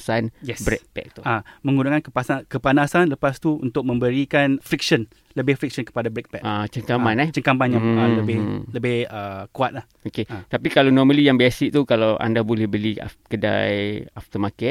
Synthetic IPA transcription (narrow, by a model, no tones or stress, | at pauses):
sanjɛsbɾɛ̰pɛ̰k̚t̪uamə̃ŋɡunakankəpasankəpanasanləpast̪uṵnt̪ʊk̚mə̃mbəɾikanfɾik̚sən | ləbɪhfɾik̚sənkə̥padabɾɛk̚pɛʔʔat͡ʃəŋkamanɛht͡ʃəŋkamanɲamaləbɪhləbɪhəkuat̪̚lah | okeat̪apikalanɔməlijaŋbɛsik̚t̪ukalawa̰ndabolɛhbəlia̰kəda̰jaft̪əmakɛ